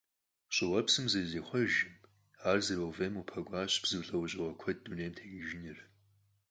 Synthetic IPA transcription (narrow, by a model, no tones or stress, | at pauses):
ɕʼɪwɐpsɨmzɐzeːχʷɔʒɪm | aːrzɐrɐwveːmupʰɐɡʷaːɕb̥z̥ɨwɬʼɐwʊɕʼɪʁɐkʷʰɐd̚duneːjmtʰeːɡɪʒɪnɪr